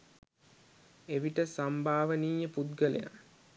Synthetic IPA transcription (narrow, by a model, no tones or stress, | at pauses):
eʋiʈəsambʱaːʋəniːjəpud̪ɡəlḛja̰